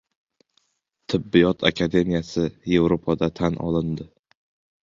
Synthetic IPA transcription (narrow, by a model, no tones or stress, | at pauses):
t̪ʰɪbːɪjɒt̪ʰa̰kʲʰad̪e̞mijasɪje̞vɾopʰad̪at̪ʰanɒ̰lˠɪnd̪ɪ